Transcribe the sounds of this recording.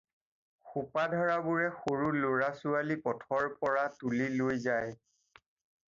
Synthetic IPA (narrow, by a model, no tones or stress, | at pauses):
xupadʱɔɹabʊɹɛxoɹuloɹasʊalipɔtʰɔɹpɔɹatulilojzaj